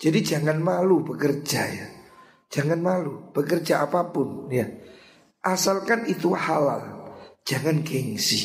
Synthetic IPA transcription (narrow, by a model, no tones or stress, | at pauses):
d͡ʒ̥adid͡ʒaŋanmalubəkərd͡ʒaja | d͡ʒ̥aŋanmalub̥əkərd͡ʒaʔapapʊnja | ʔasalkanit̪uahala̰ld͡ʒ̥aŋanɡɛŋsi